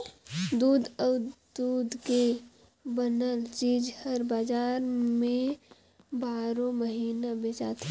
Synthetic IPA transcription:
d̪uːd̪əd̪̥uːd̪ke | bənəlt͡ʃiːd͡ʒhəɾbaːd͡ʒaːɾmẽ | baːɾõməɦiːnabeːt͡ʃa̰ːt̪ʰe

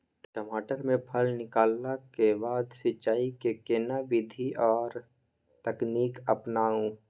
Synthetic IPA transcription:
ʈəmaːʈəɾmẽpʰəlnɪkaːlːakebaːd̪sɪt͡ʃːaːikekeːnabɪd̪ʱiʔɔːɾ | t̪əkniːkəpnaːũ

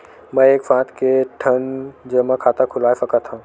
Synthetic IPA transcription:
mə̃eːkfãːt̪kʰeʈʰɐnd͡ʑəmãkʰaːt̪akʰʊlaːjfɐkat̪ʰãː

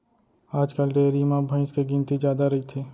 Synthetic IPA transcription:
aːd͡ʒkəlɖeːɾimãbʱə̃ɪ̃skeɡĩːnt̪id͡ʒjaːd̪aɾɐɦit̪ʰiː

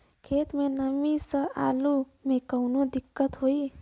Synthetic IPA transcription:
kʰeːt̪mẽnəmisəaːlu | mẽkəwnud̪ɪkːət̪ɦoi

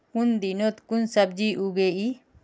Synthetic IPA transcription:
kund̪inot̪kunsɐb̚d͡ʒiʔuɡei

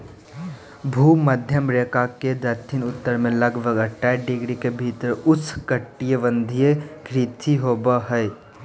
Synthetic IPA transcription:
bʱuːməd̪ʱjəmɾeːkaked̪ət̪ʰinʊt̪ːəɾmẽləɡʋəɡəʈːaɖɪɡɾikebʱit̪ɾʊskəʈːijəʋə̃nd̪ʱijekɾɪt̪ʰiɦoːbəɦɛe

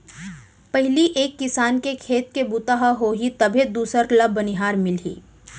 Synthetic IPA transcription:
pɐɦliʔeːkːɪsaːnkekʰeːt̪̚kebut̪aɦaɦoːɦit̪ɐbʱed̪uːsəɾkləbʱːɐnɪɦaːɾmɪlɦḭː

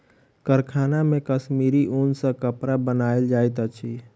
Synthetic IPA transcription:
kəɾkʰaːnamẽkəsmiɾiʔunsə̃kəpɾabənaːeld͡ʒaːjt̪ət͡ʃʰi

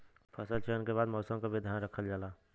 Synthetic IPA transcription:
pʰəsəlt͡ʃəːnkeβaːd̪mɔːsə̃mkabʱid̪ʱjaːnɾəkʰəld͡ʒaːlaː

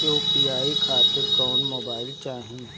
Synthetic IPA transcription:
oːpiaːikʰaːt̪ɪɾkɔːnmoːbaːɪlt͡ʃaːɦĩ

